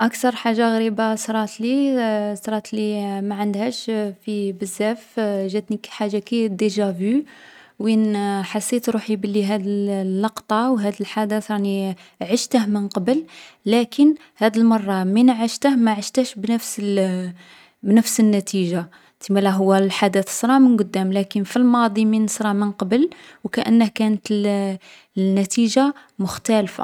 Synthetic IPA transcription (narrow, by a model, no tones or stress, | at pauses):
ʔækt̪ɑɾˤħaʒːaɣɾibasɾˤɑt̪lisɾˤɑt̪limæʕənd̪hæʃfibəzːæfʒæt̪nikħaʒːakid̪iʒævy | winħɑsːit̪ɾuħibəlːiɦæd̪əllːɑqt̪ˤɑwɦæd̪əlħad̪asɑˤni | ʕəʃt̪əhmənqɑbəlːækʰən | hæd̪əlmɑrˤːɑminʕəʃt̪əhmæʕəʃt̪æʃbnəfs | bnəfsənːæt̪iʒa | t̪imælæɦʊwːælħad̪æt̪sɾˤɑʕmənɡʊd̪ːæmlækənfilmɑd̪ˤiminəsɾˤɑʕmənqɑbəlwkæʔə̰nːəhkænət̪əl | nːæt̪iʒa | mʊxt̪ælfa̰